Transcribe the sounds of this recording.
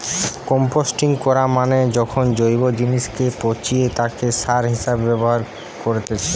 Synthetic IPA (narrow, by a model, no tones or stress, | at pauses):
kɔmposʈiŋkɔɾamaned͡ʑɔkʰond͡ʑojbod͡ʑiniʃkepot͡ɕiet̪akeʃaɾɦiʃabːɛboɦaɾ | koɾet̪et͡ɕʰe